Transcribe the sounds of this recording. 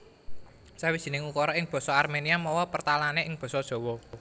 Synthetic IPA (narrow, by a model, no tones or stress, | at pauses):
sawid̥ʒ̥i̤nɪŋukɔɾɔɪŋb̥ɔ̤sɔarmeniamɔwɔpərt̪alaneʔɪŋb̥ɔ̤sɔd̥ʒ̥ɔ̤wɔ